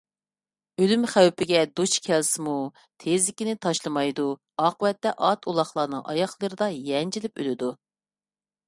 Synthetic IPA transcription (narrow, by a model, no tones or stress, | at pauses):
ølymχæwpɪɡʲɛd̪ut͡ʃkʲʰɛlsɪmu | t̪ʰezɪkʲinɪt̪ʰɑʃlˠɨmɑjd̪u | ɑːqəwɛt̪ːɛʔɑt̪ʰulˠɑχlˠɑːnɨ̰ŋʔɑ̰jɑχlˠəɾɨd̪ɑjɛnd͡ʒilɪpø̰lɪd̪u